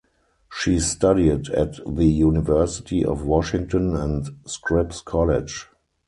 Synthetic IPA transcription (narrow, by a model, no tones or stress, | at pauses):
ʃiːstadidætðəjunɪvɜ˞sɪ̥tʰiʔɔ̰fwɔʃɪ̃ŋtɔ̃nɛ̃ntskʰɹɪpskʰɔlɪd͡ʒ